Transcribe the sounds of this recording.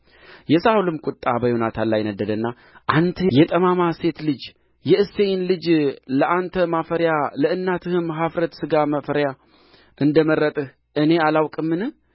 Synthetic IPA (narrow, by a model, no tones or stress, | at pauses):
jɛsawulɨmkʷʼʊt̪ʼːabəjonat̪ʰalːajnəd̪ːəd̪ənːa | ʔant̪ʰəjɛt̪ʼəmamase̞t̪lɨd͡ʒ | jɛɨsːe̞jɪnlɨd͡ʒləʔant̪ʰəmafəɾjaləɨnːat̪ʰɨhɨmɦafɾət̪sɨɡaməfəɾja | ʔɨnd̪əməɾːət̪ʼɨh | ʔɨne̞alawkʼɨmːɨnɨ